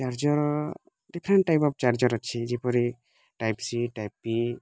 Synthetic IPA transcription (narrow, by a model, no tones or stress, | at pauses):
t͡ʃaɾd͡ʒɔɾ | ɖikʰɾɛɳʈːajpɔp̚t͡ʃaɾd͡ʒɔɾat͡ʃʰid͡ʒipɔɾi | ʈajpsiʈajp̚ːi